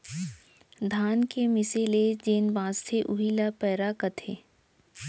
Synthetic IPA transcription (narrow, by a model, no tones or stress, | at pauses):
d̪ʱaːnkemɪseled͡ʒeːnbãːst̪ʰeʔʊɦilapɛːɾakɐt̪ʰeː